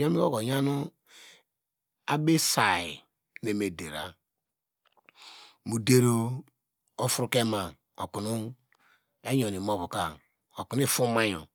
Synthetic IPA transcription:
jo˦mi˦o˦ko˨ja˦nu˦ | a˦be˦sa˨i˨ | ne˨me˨de˨ɾa̰˨ | mu˨de˦ɾo˦ | o˦fu˦ɾu˦ke˦ma˨ | o˨ku˨nu˦ | e˦jo˨ni˨mo˦βu˨ka˨ | o˨ku˨n˦i˦˨fu˦ma˦jo̰˨

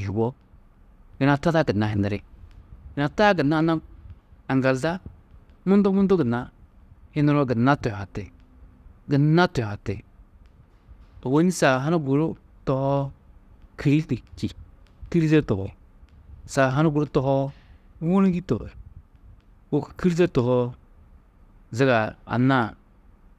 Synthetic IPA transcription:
ji˨wo˦ | ɡɪ˨na˨ta˦ta˦ɡə˨nːa˨hɪ˨ndɪ˨ɾɪ̰˦ | ɪ˨na˨ta˦ɡə˨nːa˦na˦a˨n˨da˨lza˦ | mu˦ndo˦mu˦ndo˦ɡə˨nːa˦ | hɪ˦nɪ˦ɾo˦ɡə˨nːa˦to˨a˨tḛ˨ | ɡə˨nːa˦to˨a˨tḛ˨ | o˨wo˦ni˦sa˨ɦa˦na˦ɡu˨ɾu˦ | to˨hɔ˦ | kʰi˨ɾi˦ti˨ki˨ | ti˦ɾze˦to˨ɡo˨ | sa˨ɦa˦na˦ɡu˨ɾu˦to˨hɔ˦ | wu˦n˦ɡi˦to̰˨ḛ˨ | wo˨kki˦ɾz̬e˦to˨ho˦ | zi˦ɡa˨a̰˨na˦˨

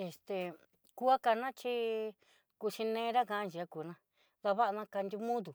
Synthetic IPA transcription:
e˧st̪e˨ | ku˦a˦ka˧nã˦t͡ʃi˦ | ku˧t͡ʃi˧nẽː˧˦ɾa˦ka˧ã˧nd͡ʒi˨a˧ku˨nã˧ | ða˧βa˦ʔa˧nã˧ka˧nd̪ʲu˧mũ˦ðu˨

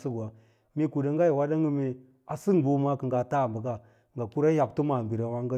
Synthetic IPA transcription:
sə˦ɡa˨ | mi˦ku˨da˨ŋ˦ɡa˦ji˨wa˦da˦ŋə˦mi˦ | a˨si˦ŋbu˦ma˦kə˨ŋɡa˨ta˦˨mbə˨ɡa˦ | ŋɡa˨ku˦ɾa˦ja˨b̚tu˦ma˨mbi˨ɾa˨ma˦ŋɡə˦

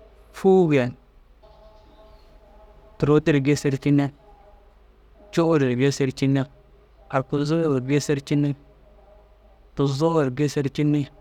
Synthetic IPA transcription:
fu˦wi˨ja˨n | tu˨ɾo˦ti˦ɾɡe˦se˦ɾt͡ʃi˦ne˦ | t͡ʃo˦ɾi˨ɾbe˦se˦ɾt͡ʃi˦nːe˦ | a˨ɾku˨zu˦˨ɾbe˦se˦ɾt͡ʃi˦nːi˦ | tu˨zo˦˨ɾɡe˦se˦ɾt͡ʃi˦nːi˦

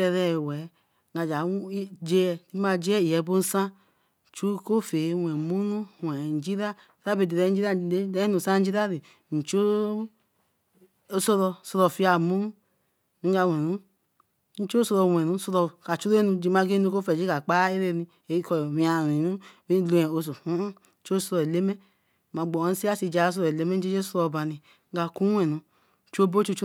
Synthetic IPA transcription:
ɛ˧ɾɛ˧˦˨wɛ˨˦ | ŋa˨d͡ʒa˨˦d͡ʒe˧ɛ˧di˦ma˧d͡ʒe˦ɛ˦i˨jɛ˨˦bo˦n˦sã˦˨ | t͡ʃu˦ko˦fe˨˦wɛ˨mu˦nu˦wɛ˨n̩˨d͡ʒi˦ɾa˦˨ | ɾa˦be˨de˨ɾɛ˧˦n̩˦d͡ʒi˦ɾa˦˨e˦ɛ˦nũ˨sã˦n̩˦d͡ʒi˦ɾa˦ɾe˨ | n̩˨t͡ʃo˦ | so˧ɾɔ˧˨so˧ɾɔ˧˨fi˦a˨mu˦u˦ | i˨˦ɡa˧wɛ˨nu˨˦ | n̩˦t͡ʃo˦so˧ɾɔ˧˨wɛ˨nu˨˦so˧ɾɔ˧˨ka˨t͡ʃu˦ɾe˦nu˧d͡ʒi˧˦ma˨˧ɡe˦u˧ko˦fɛ˨d͡ʒi˦ka˨k͡pa˦e˦ɾe˦˧ni˧ | e˨i˦kɔ˨wĩ˨a˨ɾi˨nu˦i˦lu˧ɛ˨o˨˧s̬o˨u˦˨˦ | t͡ʃo˦so˧ɾɔ˨e˨le˦mɛ˦˨ | ma˨ɡ͡bɔ˨n̩˦si˦a˦si˧d͡ʒa˨˦s̬o˧ɾɔ˨e˨le˦me˦e˦d͡ʒe˦so˦ɾɔ˧˨ba˨ni˨ | ŋ˦ɡa˧ku˦wɛ˨nu˧˨˦ | t͡ʃo˦bo˦t͡ʃo˦t͡ʃ

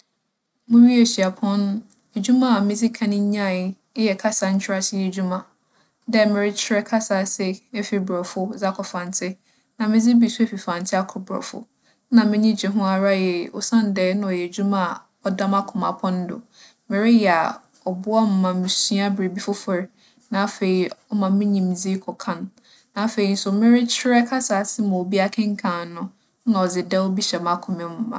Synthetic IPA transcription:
mʊ̃˦ɥi˦e˨ɕi˨a˨pʰɔ̃˦n˦ | e˨d͡ʑu˦mã˦a˨mɪ̃˦d͡zɪ˦kʰã˨nɪ̃˦ɲã˦˨˦ | jɛ˨kʰa˦sa˨ɲ̩˦t͡ɕʰᶣɪ˦ɾa˦sʰɪ˦jɛ˨d͡ʑu˦mã˨ | dɛ˦mɪ̃˨ɾɪ˦t͡ɕʰɪ˦ɾɛ˦kʰa˦sa˨sɛ˦ɛ˦fi˨˦bɾɔ˨fʊ˦za˦kʰɔ˨fã˨n˨tʰɪ˦ | nã˨mɪ̃˦d͡zɪ˦bi˨su˦e˦fi˨fã˨n˨tʰɪ˦a˦kʰɔ˨bɔ̰˨fʊ̰˨˦ | nã˨mɪ̃˦ɲĩ˦d͡ʑi˨ɦʊ̃˦a˨ɾa˦jɛ˨ʊ̰˦sã˦n̩˨dɛː˦nʊ̃˦ɔ˨jɛ˨d͡ʑu˦mã˦˨ | ɔ˦da˦ma˦kʰʊ̃˨ma˨pʰɔ̃˦n˦dʊ̰˨ | mɪ̃˨ɾɪ˦jɛ˨a̰˨ | ɔ˨bʊ˦a˦m̩˨mã˨mɪ̃˨sĩ˦a˦bɾe˨bi˦fʊ˦fɔ˨ɾɪ˨˦ | nã˨a˦fe˨i˨ɔ˦mã˨mɪ̃˦ɲĩ˨m˨d͡zi˦kʰɔ˨kʰã˦nː | ã˨˦˨fe˨i˨˦n̩˦sʊ˨mɪ̃˦ɾɪ˦t͡ɕʰɪ˦ɾɛ˦kʰa˦saː˨sɪ˦mã˨o˨bi˦a˦kʰɪ̃˦ŋ̩˦kʰã˨nʊ̃˦ | nã˨ɔ˨d͡zɪ˨dɛ˦ɔ˦bi˦ɕɛ˨ma˦kʰʊ̃˨mɪ̃˨m˦mã̰˨

